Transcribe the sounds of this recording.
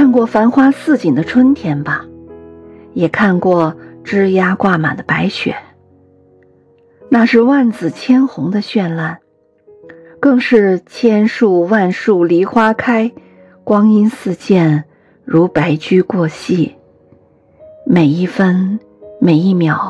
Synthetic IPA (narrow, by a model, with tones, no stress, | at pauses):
kʰa˥˧nkwɔ˥˩fa˧˥nxwa˥sɹ̩˥˩t͡ɕi˨˩nd̪ə˦ʈ͡ʂʰwə˥nt̪ʰjɛ˧˥nbɐ˧˩ | jɛ˨˩kʰa˥˧nkwɔ˥˩ʈ͡ʂɻ̩˥ja˥kwa˥˩ma̰˨˩d̪ə˦pa˧˥ɪt͡ɕʰɥɛ̰˨˩˦n | na˥˧ʂɻ̩˥˧wa˥˩nt͡sɹ̩˨˩t͡ɕʰjɛ˥nxʊ˧˥ŋd̪ə˧ɕɥɛ˥˧nla˥˩n | kɤ˥˧ŋʂɻ̩˥˩t͡ɕʰjɛ˥nʂu˥˧wa˥˧nʂu˥˩li˧˥xwa˥kʰa˥ɪ | kwɑ˥ŋi˥nsɹ̩˥˧t͡ɕjɛ˥˩n | ɻu˧˥pa˧˥ɪt͡ɕy˥kwɔ˥˧ɕi˥˩ | me˨˩ɪi˥˩fə˥n | me˨˩ɪi˥˩mjɑ˨˧˩ʊ